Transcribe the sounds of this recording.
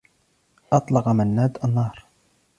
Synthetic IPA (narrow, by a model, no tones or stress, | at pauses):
ʔɑt̪ˤlɑqɑmənːæd̪ənːɑːɾˤ